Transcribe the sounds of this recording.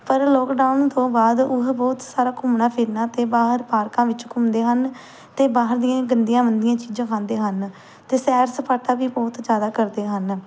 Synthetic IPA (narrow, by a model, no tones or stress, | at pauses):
pəɾlɔːkɖaːunt̪õːbaːd̪ʊɦbɔːt̪saːɾaːkʊmɳaːpʰɪɾnaːt̪eːbaːɦəɾpaːɾkãːʋɪt͡ʃkʊmd̪eːɦən | t̪eːbaːɦəɾd̪ijãːɡənd̪ijãːbənd̪ɪjãːt͡ʃiːd͡ʒãːkʰãːnd̪eːɦən | t̪eːsɛːɾsəpʰaːʈaːʋiːbɔːt̪d͡ʒjaːd̪aːkəɾd̪eːɦən